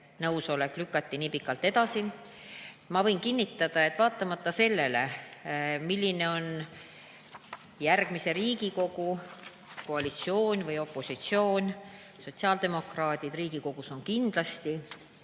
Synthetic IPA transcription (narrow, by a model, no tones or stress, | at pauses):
nɤwso̞le̞kˑlykːˑɑt̪ʲːiniːpikːˑɑlt̪ːˑe̞d̪ɑsi | mɑvɤ̞jnkinʲːit̪ːˑɑd̪̥ɑe̞t̪ːˑvɑːt̪ːˑɑmɑt̪ːˑɑse̞lːe̞le̞̰ | milʲːine̞o̞n | jærɡ̥mise̞ɾiːɡ̥iko̞ɡ̥u | ko̞ɑlit̪sio̞ːnʲvɯjo̞pːˑo̞sit̪sio̞ːnʲ | so̞t̪siɑːld̪̥e̞mo̞krɑːd̪̥ʲid̪riːɡ̥iko̞ɡ̥uso̞nkind̪̥lɑst̪i